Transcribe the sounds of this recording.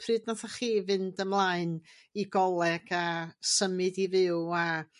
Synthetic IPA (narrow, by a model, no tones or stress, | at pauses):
pʰrɨːdnaθaχiːvɨndəmlˠaɨn | iɡɔlˠɛɡ̥asəmɨdivɪwa